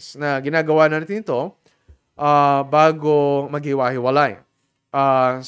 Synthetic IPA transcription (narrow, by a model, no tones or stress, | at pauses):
snɐɡɪnaːɡɐwaʔnɐnat̪ɪnɪt̪o̞ | ʔabaːɡomɐɡhɪwaːhɪwɐlaj | ʔa